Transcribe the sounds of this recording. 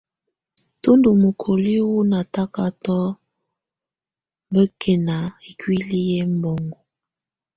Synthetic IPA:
tu˦ndu˨mu˨kʰo˨li˦wu˦na˨ta˦ka˦tɔ˦ | bə˦kʰe˨na˨i˨kwi˦li˦jɛ˦m˦bɔ˨ŋɡɔ˨

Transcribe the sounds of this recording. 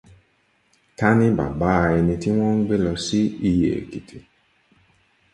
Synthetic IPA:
ta˦nɪ˦ba̰˨baː˦˨ɪ˨ni˨ti˦wɔ̃˦ŋ̩˦ɡ͡be˦lɔ˨si˦i˦jḛ˨ki˨tʰi˨

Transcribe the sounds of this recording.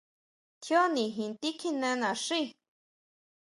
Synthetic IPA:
t̪ʰjo˦nĩ˨ɦĩ˨nt̪i˦kʰi˧nɛ̃˧nã˨ʂi˦˧

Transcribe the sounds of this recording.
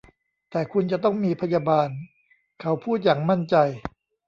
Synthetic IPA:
t̪ɛː˨˩kʰu˧nt͡ɕa˨˩t̪ɔ˥˩ŋmiː˧pʰa˧jaː˧baː˧n | kʰa˦˥wpʰuː˥˩t̪̚jaː˨˩ŋma˥˩nt͡ɕa˧j

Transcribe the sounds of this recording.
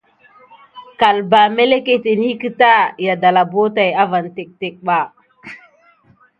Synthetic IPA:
ka˨lba˨me˦le˦ke˨te˨n˦i˦ki˦ta˦ja˨da˨la˨bo˦ta˨ja˦va˨nte˨k̚te˨k̚ɓa˨

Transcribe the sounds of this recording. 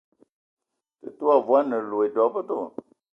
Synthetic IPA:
tɨ̰˨tu˦a˨vu˨a˦nə˨lo˨e˨dɔ˨˦pə˦to˦˨

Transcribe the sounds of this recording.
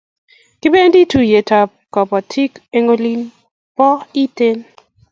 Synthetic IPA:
kɪ˦be˦n˦di˦tu˦je˨ta˨p̚kɔ˨pɔ˨tʰi˦ke˦ŋo˦li˦n | pɔ˦i˦te˦n

